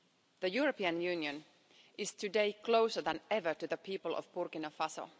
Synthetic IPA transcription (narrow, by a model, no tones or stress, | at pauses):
ðəjuɹəpiːɨ̃njʉːnjɨ̃n | ʔɪz̥tʰɨdeɪkʰloʊsə˞ðæ̃nɛvə˞tɨðəpʰiːpəlˠʔɔ̰vbʊɹkɪnofasə̰l